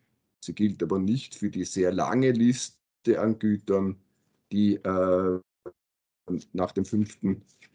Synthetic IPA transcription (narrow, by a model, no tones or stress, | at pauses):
siːɡ̥ɪltaːbɐnɪçtfyːɐdiːz̥eːɐla̰ŋəlɪs | təanɡ̥yːtɐn | d̥iːʔɛ | naːχd̥eːmfʏnftn̩